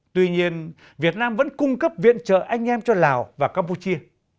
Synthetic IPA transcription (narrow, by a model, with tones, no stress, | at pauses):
t̪wi˧ɲi˧ən | vi˨˩ət̚naː˧mvə̰˧˥nkʊ˧ŋ͡mkə˦˥p̚vḭ˧˨ənt͡ɕə̰ː˧˨ʔa˧jŋ̟ʔɛ˧mt͡ɕɔ˧laː˨˩wvaː˨˩kaː˧mpu˧t͡ɕi˧ə